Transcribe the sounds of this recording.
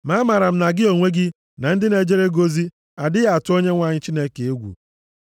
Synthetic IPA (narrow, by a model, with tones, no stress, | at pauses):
ma˦ma˨ɾa˨m̩˦na˨ɡɪ˦o˨ŋʷe˦ɡɪ˦ | na˨n̩˦dɪ˦ne˨d͡ʒe˦ɾe˦ɡo˦zi˦ | a˨dɪ˦ja˨tʊ˦o˦ɲe˦ŋʷa˦˨ɲɪ˦t͡ʃi˦ne˦ke˨e˦ɡʷṵ˨